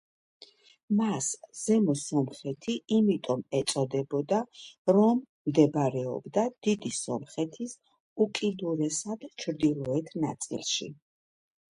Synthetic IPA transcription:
masz̥ɛmɔsɔmχɛt̪ʰiimit̪ʼɔmɛt̪sʼɔd̪ɛbɔd̪aɾɔmː | d̪ɛbɾɛɔ̰bd̪ad̪̥id̪isɔmχɛt̪ʰis | ukʼid̪uɾɛsad̪̥t͡ʃʰɾd̪ilˠɔɛt̪ʰna̰t̪sʼḭlˠʃḭ

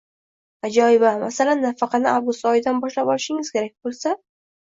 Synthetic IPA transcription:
ad͡ʒɒɪbamasalanːafɑqʰɑnɪʔawɡʊst̪ɒjɪd̪anbɒʃlapɒlɪʃɪŋɪz̥kʲʰe̞ɾak̚ʲbolˠsa

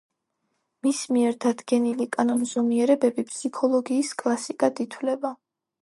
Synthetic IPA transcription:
mismiɛɾd̪ad̪ɡɛnilikʼanɔnzɔmiɛɾɛbɛbipʼsikʰɔlˠɔɡiːskʼlˠasikʼad̪it̪ʰwlɛba

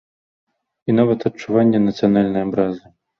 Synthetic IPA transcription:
inavɐt̪ɐt͡ʂːuvanʲːɛnɐt̪sɨjanalʲnɐjɐbɾazɨ

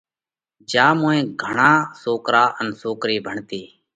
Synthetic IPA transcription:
d͡ʒaːmõːẽːɡʱəɳaːsoːkɾaːʔənsoːkɾiːbʱəɳt̪iː

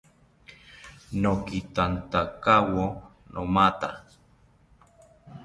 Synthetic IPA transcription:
nokit̪ant̪akawonʔomat̪a

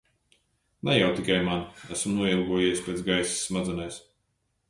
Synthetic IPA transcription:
najawt̪ikajmanæsmnuɔilˠɡuɔjɛjspɾʲɛt̪sɡajsi̥sːmad̪zɨnajs

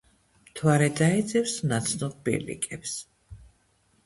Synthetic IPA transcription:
mt̪ʰwaɾɛd̪aɛd̪zɛfsnat̪sʰnɔʁbḭɾlḭkʼɛps

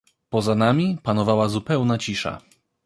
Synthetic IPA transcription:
pɔzanamʲipanɔvawazupɛwnat͡ɕiʂa̰

